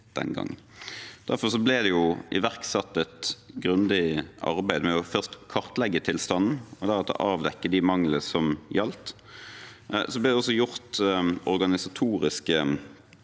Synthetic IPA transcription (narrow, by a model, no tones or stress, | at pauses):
d̪̥ɛ̰nɡɑ̰ŋːnd̪̥æɾfɔʁsɔblɪd̪ɛjʊʔɪʋæʁksɑt̪ːɛt̪ɡʁʉnd̪ɪʔɑ̰ʁbæɪd̪mɛɔfœʁst̪kʰɑʁt̪lɛɡːət̪ʰɪlst̪ɑnn̩ɔd̪æʁɑt̪ɔ̰ʔɑːʋd̪ɛkːəd̪ɪmɑŋləsɔmjɑlt̪ | sɔblɪːd̪ɛɔsːɔjʊɾt̪ɔʁɡɑnɪsɑt̪ʰuːʁɪskə